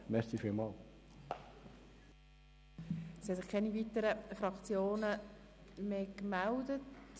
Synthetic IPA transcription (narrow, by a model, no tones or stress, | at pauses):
mɛɾsifiːlmɑːl | shɛsɪχkʰɛniviːtəɾəfɾɑkt͡sjoːnə | mekmældət